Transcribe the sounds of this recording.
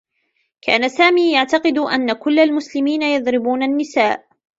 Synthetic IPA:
kʰa̰ːnasaːmiːjaʕt̪ɑqɨd̪ʔa̰nːakʊlːalmʊslɪmiːnajɑðˤɾɪbuːnanːɪsaːʔ

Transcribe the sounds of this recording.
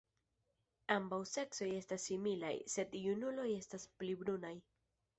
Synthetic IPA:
ambawse̞kso̞je̞stasːimila̰jse̞d̪junulo̞je̞stasplibɾunaj

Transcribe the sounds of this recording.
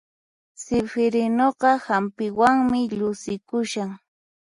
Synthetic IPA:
sɪfɪɾɪnoɢɑhampɪwaŋmɪʎʊsɪkʊʃaŋ

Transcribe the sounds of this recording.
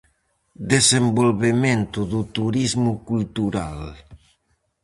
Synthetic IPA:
d̪ezembolβemẽnt̪uðut̪uɾizmukult̪uɾa̰l

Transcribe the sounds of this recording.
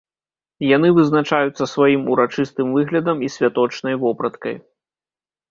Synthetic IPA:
jan̪ɨvɨznat͡ʂajut̪sːɐsvajimuɾat͡ʂɨst̪ɨmvɨɣlʲɐd̪ɐmisʲvʲat̪ɔt͡ʂnɐjvɔpɾɐt̪kɐ̰j

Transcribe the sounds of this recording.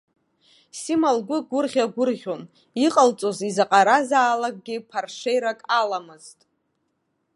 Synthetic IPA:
simalɡʷʊɡʷʊrʁʲaɡʷʊrʁʲon | iqʼəlt͡sʼo̞zizaqʼaɾazaːlak̚ʼɡʲɪpʰarʂejɾakʼalamɨztʼ

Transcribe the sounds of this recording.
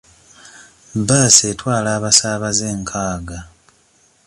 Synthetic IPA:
baːsetwaːlaːβasaːβaze̞ːŋkʰaːɡa

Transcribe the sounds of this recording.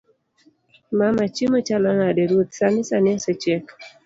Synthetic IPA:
mamat͡ʃimɔt͡ʃalɔnadeɾwot̪sanɪsanɪɛsɛt͡ʃɛk

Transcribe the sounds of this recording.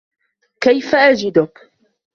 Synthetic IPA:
kajfaʔad͡ʒɪd̪ʊk

